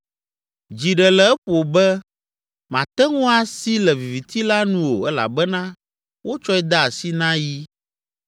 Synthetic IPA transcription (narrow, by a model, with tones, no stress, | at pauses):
d͡ʒi˨ɖɛ˨lɛ˨˦ɛ˦ɸo˨bɛ˦ | mã˨t̪ɛ˦ŋũ˦a˨si˦lɛ˨vi˨vi˨t̪i˦la˦nũ˦wo˨ɛ˦la̰˨bɛ˦nã˦ | wo˦t͡ʃɔ˦ɛ˦d̪a˦a˨si˦nã˦ji˦